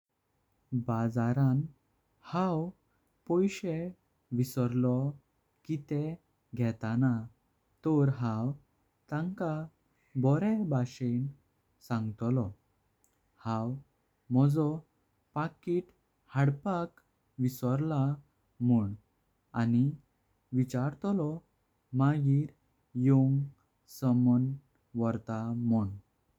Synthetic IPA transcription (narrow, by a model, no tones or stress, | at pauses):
bad͡zaɾan | haw | pɔjɕe | ʋisɔɾlɔ | kit̪ɛ | ɡʱɛt̪ana | t̪ɔɾɦãw | t̪ãŋka | bɔɾɛbaɕen | sãŋɡt̪lɔ | hãw | mɔd͡zɔ | pakiʈ | haɽpak | ʋisɔɾla | muɳ | ani | ʋit͡ɕaɾt̪lɔ | maɡiːɾ | joŋɡ | səmən | ʋɔɾt̪amɔɳ